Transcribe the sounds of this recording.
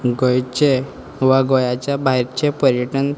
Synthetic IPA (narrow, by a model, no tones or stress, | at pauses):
ɡojt͡ɕe | ʋaɡojat͡ɕjabaɦiɾt͡ɕepəɾjəʈən